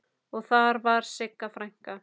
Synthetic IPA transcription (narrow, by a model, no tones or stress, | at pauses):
ɔɣθaɾvaɾ̥sɪkːafɾajŋ̥ka